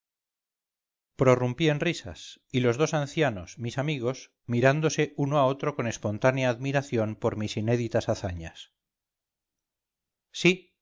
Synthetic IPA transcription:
pɾo̞rumpie̞nrisa̰silo̞zð̞o̞sanθjano̞smisamiɣ̞o̞s | miɾand̪o̞se̞ʔunoao̞t̪ɾo̞ko̞ne̞spo̞nt̪anjaːðmiɾaθjo̞mpo̞ɾmisine̞ðit̪asaθaɲas | i

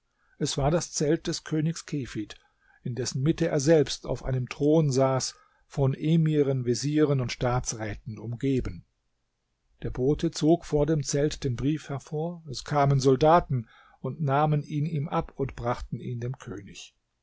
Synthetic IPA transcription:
ʔɛsv̥aːɐdast͡sɛlt̚d̥ɛskʰøːnɪçskʰefit | ɪndɛsn̩mɪtəʔḛːɐzɛlpsta̰ʊfʔa̰ɪnəmtʁ̥oːnzaːs | fɔnʔeːmiʁənveziːʁ̞ənʊntʃtaːt͡sʁɛːtn̩ʊmɡeːbən | d̥eːɐboːtʰət͡soːkfoːɐdeːmt͡sɛltd̥eːnbʁiːfhɛɐfoːɐɛskʰaːmənzɔldaːtn̩ | ʊntnaːmənʔiːniːmʔapʊntb̥ʁaχtn̩iːndeːmkʰø̰ːnɪç

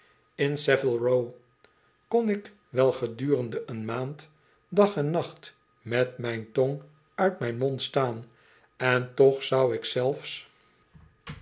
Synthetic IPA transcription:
ɪnsɛvəlˠɹow | konɪk | ʋɛlˠχədyːrəndəʔənmaːnt | dɑχɛnːɑχt | mɛtmɛjntɔŋ | œɥtmɛjnmɔntstaːn | ɛntɔχsɑwɪksɛlˠfs

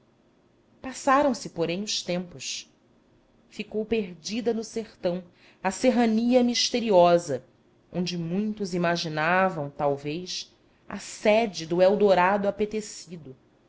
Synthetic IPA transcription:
pasaɾɐ̃w̃sɪpoɾẽj̃ʊʃt̪ẽmpʊs | fikowpeɾd͡ʒid̪ɐnʊseχt̪ɐ̃w̃ | ɐseɦɐniɐmiʃt̪eɾiɔzɐ | õnd͡ʒɪmũj̃t̪ʊzimaʒinavɐ̃w̃t̪awvejs | ɐ̰sɛd͡ʒɪd̪ʊɛwd̪oɾad̪ʊapet̪esid̪ʊ

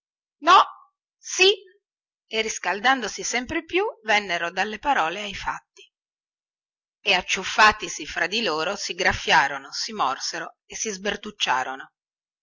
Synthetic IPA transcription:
nɔ | si | erːiskald̪and̪osisɛmpɾepjuvɛnːeɾod̪alːepaɾɔːleajfa̰t̪ːi | eat͡ʃːufːaːt̪isifɾad̪iloːɾosiɡɾafːjaːɾonosimɔrseɾo | esizbert̪ut͡ʃːa̰ːɾono

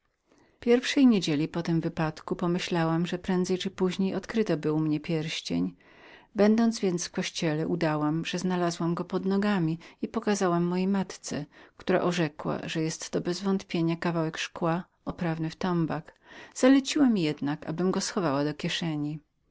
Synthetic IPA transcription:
pʲjɛɾfʂɛjɲed͡ʑelʲipɔt̪ɪmvɘpat̪kupɔmɘɕlawamʐɛpɾɛnd̪zɛjt͡ʂɘpuʑɲejɔt̪kɾɘt̪ɔbɘwmɲɛpʲjɛɾɕt͡ɕḛɲ | bɛnd̪ɔnd̪zvʲjɛnt̪sfkɔɕt͡ɕɛlɛʔud̪awamʐ̥ɛznalazwamɡɔpɔd̪nɔɡamʲiipɔkazawamːɔjejmat̪t̪sɛkt̪uɾa̰ʔɔʐɛkwa̰ʐɛjɛst̪ːɔbɛzvɔnt̪pʲjeɲakavawɛkʂkwa | ɔpɾavnɘft̪ɔmbakz̥alɛt͡ɕiwamʲijɛd̪naka̰bɘmɡɔsxɔvawad̪ɔkʲjɛʂɛɲi

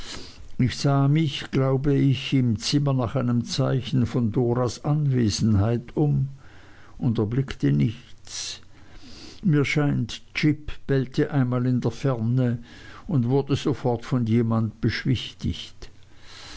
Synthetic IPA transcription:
ɪçz̥aːmɪçɡ̥laʊbəɪçɪmt͡sɪmɐnaːχaɪnəmt͡saɪçn̩fɔndoːʁasʔanveːzn̩ɦaɪtʰʊm | ʔʊndɛɐblɪktənɪçt͡s | miːɐʃaɪntt͡ʃɪpb̥ɛltʰəʔaɪnmaːlɪndeːɐfɛɐnəʊntv̥ʊɐdəzofɔɐtfɔnjeːmantb̥əʃv̥ɪçtɪ̰çt

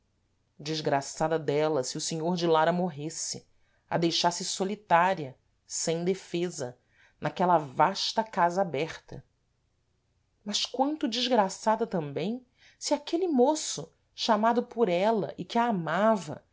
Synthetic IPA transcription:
d͡ʒiʒɡɾasad̪ɐd̪ɛlɐsɪʊsiɲoɾd͡ʒɪlaɾɐmoɦesɪ | ɐ̰d̪ejʃasɪsolit̪aɾiɐ | sẽj̃d̪efezɐ̰ | nakɛlɐvaʃt̪ɐkazɐabɛχt̪ɐ̰ | mɐʃkwɐ̃nt̪ʊd͡ʒiʒɡɾasad̪ɐt̪ɐ̃mbẽj̃ | siakelɪmosʊ | ʃamad̪ʊpʊɾɛlɐ̰ʔɪkɪaːmavɐ̰

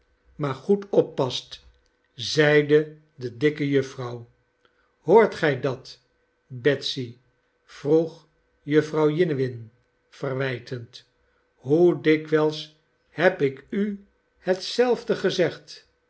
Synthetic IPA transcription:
maːɹχutɔpːɑst | zɛjdə | dədɪkəjɵfrɑw | hoːɹtχɛjdɑt | bɛtsi | v̥ruχ | jɵfrɑwjɪnəʋɪn | fərʋɛjtʰənt | ɦudɪkʋɛlˠs | hɛpɪky | hətsɛlˠvdəχəzɛχt

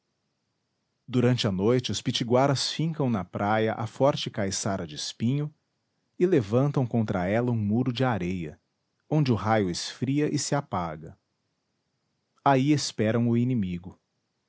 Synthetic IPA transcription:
d̪uɾɐ̃nt͡ʃɪɐnojt͡ʃɪʊspit͡ʃiɡwaɾɐsfĩŋkɐ̃w̃nɐpɾʔajɐʔafɔɾt͡ʃɪkajsaɾɐd͡ʒɪɪspĩɲʊ | ɪlevɐ̃nt̪ɐ̃w̃kõnt̪ɾɐɛlɐũmuɾʊd͡ʒɪaɾejɐ̰ | õnd͡ʒɪʊɦajʊɪsfɾiɐʔɪsɪapaɡɐ | aiespɛɾɐ̃w̃ʊinimiɡʊ

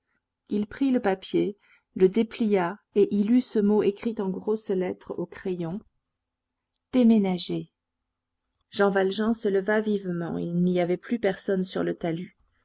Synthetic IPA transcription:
ilpχiləpapje | ləd̪eplijaeʔilysəmoekχit̪ɑ̃ɡʁoslɛt̪χokχejɔ̃ | d̪̥emenaʒe | ʒ̥ɑ̃valʒɑ̃sələvavivmɑ̰̃ḭlniavɛplypɛʁsɔnsyʁlət̪aly

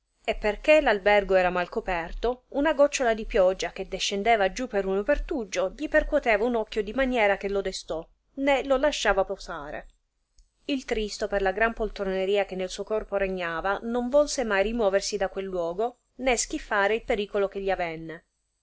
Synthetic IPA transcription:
epːerkelalbɛrɡoɛːɾamalkopɛrt̪ounaɡɔt͡ʃːolad̪ipjɔd͡ʒːak̟ed̪eʃːend̪eːvad͡ʒupːeɾunopert̪ud͡ʒːoʎiperkwot̪ɛːvaunɔkːjod̪imanjɛːɾak̟elod̪est̪ɔ | nelolaʃːaːvaposaːɾḛ | ilt̪ɾist̪operlaɡɾampolt̪ɾoneɾiːak̟enːelsuːokɔrpoɾeɲːaːvanoɱvɔlsemajrimwɔːversid̪akːwelːwɔːɡo | nesk̟ifːaːɾeilpeɾiːkolok̟eʎːiavɛnːe

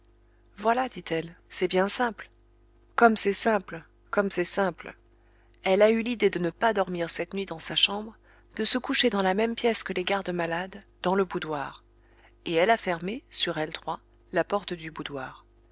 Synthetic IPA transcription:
vwalad̪it̪ʰɛlsɛbjɛ̃sɛ̃pl | kɔmsɛsɛ̃pl | kɔmsɛsɛ̃pl | ɛlaylid̪ed̪ənəpad̪ɔʁmiʁsɛt̪nɥid̪ɑ̃saʃɑ̃bʁ | d̪̥əsəkuʃed̪ɑ̃lamɛmpjɛskəleɡaʁd̪əmalad̪ːɑ̃ləbud̪waːʁ | eɛlafɛʁmesyʁɛlt̪χwa | lapɔʁt̪əd̪ybud̪waːʁ

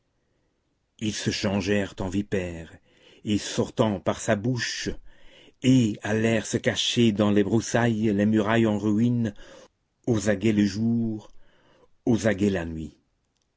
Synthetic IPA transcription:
ilsəʃɑ̃ʒɛʁt̪ɑ̃vipɛːʁ | esɔʁt̪ɑ̃paʁsabuʃ | ealɛʁsəkaʃed̪ɑ̃lebʁusajlemyʁajɑ̃ʁin | ozaɡeləʒuːʁ | ozaɡɛlanɥi

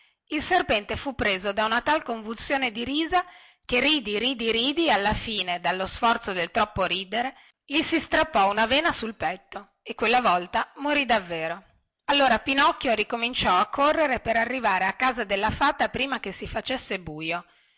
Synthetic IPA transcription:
ilserpɛnt̪efupːɾeːzod̪aunat̪alkoɱvulsjoːned̪iɾiːza | keriːd̪iɾiːd̪iɾiːd̪ialːafiːned̪alːosfɔrt̪sod̪elt̪ɾɔpːoɾiːd̪eɾe | ʎisist̪ɾapːɔunaveːnasulpɛt̪ːo | ekːwelːavɔlt̪amoɾid̪avːeːɾo | alːoːɾapinɔkːjoɾikomint͡ʃɔakʰːorːeɾepeɾarːivaːɾeakːaːzad̪elːafaːt̪apɾiːmakesifat͡ʃesːebuːjo

